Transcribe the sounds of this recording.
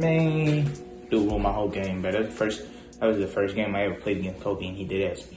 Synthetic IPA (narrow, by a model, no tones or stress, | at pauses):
mi | d̥ɨwomaɪɦoʊlˠɡẽɪ̃mbʌtɨfɜ˞st | ɨt̚wʌzðɨfɜ˞sɡ̥ẽɪ̃maɪɛvə̥˞pʰl̥eɪd̚ɡɛ̃ntʰoʊlˠkiɨ̃nidɨɾɨz̥